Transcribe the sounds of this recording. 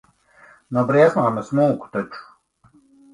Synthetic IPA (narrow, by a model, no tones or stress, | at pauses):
nɔbɾiɛsmaːmɐsmuːku̥t̪ɔt͡ʃu̥